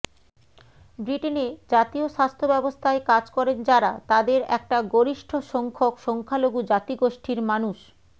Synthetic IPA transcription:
bɾiʈened͡ʑat̪ioʃast̪ʰobɛbost̪ʰaekad͡ʑkɔɾend͡ʑaɾat̪ad̪eɾɛk̚ʈaɡoɾiʃʈʰoʃɔŋkʰokʃɔŋkʰaloɡud͡ʑat̪iɡoʃʈʰiɾmanuʃ

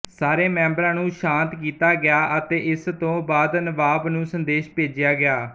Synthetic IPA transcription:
saːɾeːmɛ̃ːmbɾãːnũːʃãːnt̪kiːt̪aːɡɪaːʔət̪eːʔɪst̪õːbaːd̪nəʋaːbnũːsənd̪eːʃpeːd͡ʒɪjaːɡɪaː

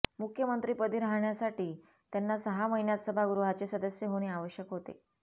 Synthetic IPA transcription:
mukʰjəmənt̪ɾiːpəd̪ʱiɾaɦɳjasaʈiː | t̪janːasəɦaməɦinjat̪səbʱaɡɾuɦat͡ɕesəd̪əsjəɦoɽ̃eaʋəɕjəkɦot̪ḛ

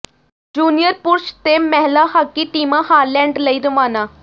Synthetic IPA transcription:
d͡ʒuːnijəɾpuɾʃt̪emɛɦlahakːiʈiːmãhaːɾlɛ̃ɳɖləiɾəmaːna

